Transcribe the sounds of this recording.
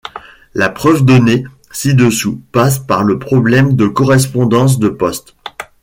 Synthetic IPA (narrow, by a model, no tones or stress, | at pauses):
lapχœvd̪ɔne | sid̪əsupas̬paʁləpχɔblɛmd̪əkɔʁɛs̬pɔ̃d̪ɑ̃s̬d̪əpɔst̪